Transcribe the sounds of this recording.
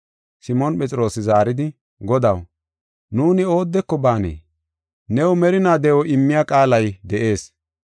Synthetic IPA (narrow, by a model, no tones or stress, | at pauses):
sɪmɔnpʼɛt͡sʼɪɾo̞ːsɪzaːɾɪd̪ɪ | ɡɔd̪ɐw | nuːnɪo̞ːd̪ːɛkːɔbaːnḛː | nɛwɔmɛɾɪnaːd̪ɛɔʔɪmːɪjakʼaːlɐjd̪ɛʔe̞ːs